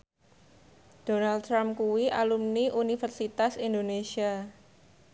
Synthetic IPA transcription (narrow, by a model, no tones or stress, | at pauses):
d̥o̤nal̚tɾamkuwiʔa̰lumniʔunifərsit̪asindonesia